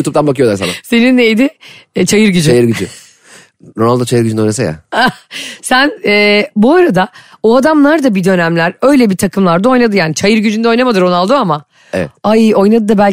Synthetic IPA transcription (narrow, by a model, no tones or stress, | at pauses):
uːt̪ʰup̚t̪anbakʰɯjo̞lˠaɾsa̰nase̞ninːejd̪ɪt͡ʃʰajɯɾɟyd͡ʒajɯɾɡyd͡ʒy̰ | ɾonalˠd̪at͡ʃʰajɯɾɟyd͡ʒynɛojnasa̰ja̰asænɛːbuaɾad̪aoad̪amlˠaɾd̪abid̪ø̞næmlʲæɾø̞jlʲɛbit̪ʰakʰɯmlˠaɾd̪ao̞jnad̪ɯjaːnit͡ʃʰajɯɾɟyd͡ʒynd̪ɛo̞jnamad̪ɯɾo̞nalˠd̪oama | ḛvɛ̰ajo̞jnad̪ɯd̪abælʲ